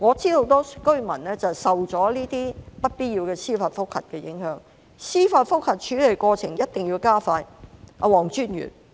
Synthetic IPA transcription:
ŋɔː˨˧t͡siː˥ho˨˥wt̪ɔː˥kɵ˥ɥmɐ˨˩nlɛː˥t͡sɐ˨sɐ˨wt͡sɔː˨˥liː˥t̪iː˥pɐ˥t̚piː˥t̚ji˧wkɛː˧siː˥faː˧t̚fʊ˥k̚hɐ̰˨t̚kɛː˧jɪ̰˨˥ŋhœː˨˥ŋ | siː˥faː˧t̚fʊ˥k̚hɐ˨t̚t͡ʃʰyː˨˥le˨˩jkʷɔː˧t͡sʰɪ˨˩ŋjɐ˥t̚t̪ɪ˨ŋjiː˧wkaː˥faː˧jʔa̰˧wɔː˨˩ŋt͡ʃyː˥njy̰˨˩n

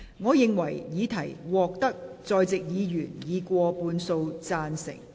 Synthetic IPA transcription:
ŋɔː˨˧jɪ˨ŋwɐ˨˩jjiː˨˥t̪ʰɐ˨˩jwɔː˨k̚t̪ɐ˥k̚t͡sɔː˧jt͡sɪ˨k̚jiː˨˧jyː˨˩njiː˨˧kʷɔː˧puː˧nso˧wt͡saː˧nsɪ̰˨˩ŋ

